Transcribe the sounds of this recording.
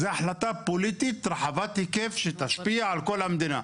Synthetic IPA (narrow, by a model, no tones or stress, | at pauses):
zeaħlat̪apolit̪it̪ɾaħavat̪hikefʃet̪aʃpiaʕalkolhamd̪ina̰